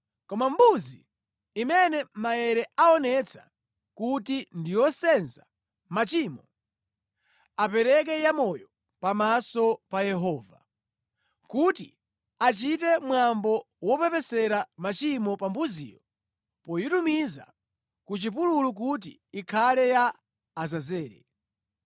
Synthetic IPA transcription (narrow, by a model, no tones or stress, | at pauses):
kɔmambuziː | mɛnɛmajɛɾɛaɔnɛt͡sʰḁ | kutindiwɔsɛnza | mat͡ʃiːmɔ | apɛɾɛk̬ɛjamɔjɔ | pamasɔpajɛɦɔːva | kutḭ | at͡ʃitɛmwambɔ | wɔpɛpɛsɛɾamat͡ʃimɔpambuzḭːjɔ | pɔjitumiza̰ | kut͡ʃip̬ululuk̬ut̬iːkʰalɛjaː | zazɛːɾɛ̰